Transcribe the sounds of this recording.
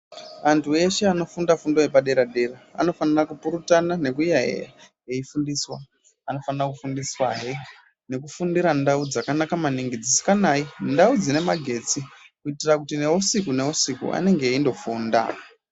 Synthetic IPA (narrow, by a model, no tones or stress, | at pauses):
ʋantʰue̞ʃe̞ano̞fundafundoɦepaɗe̞ɾaɗe̞raa̰no̞fanirakupuɾutanane̞kujaɦḛjaɦeifundiswa | ano̞fanirakufundiswaɦe | ne̞k̬ufundiɾandaud͡zakanakamaniŋɡid͡zisi̥kanaːjindaud͡zine̞maɡʱe̞t͡sikuitirakutine̞wosikune̞wosikṵa̰ne̞ŋɡeindo̞fuːnda̰